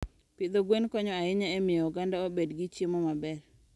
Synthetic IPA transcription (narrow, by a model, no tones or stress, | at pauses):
pɪd̪oɡwenkɔɲɔaɪɲaɛmɪjɔɡandaobedɡɪt͡ʃjemɔmabɛr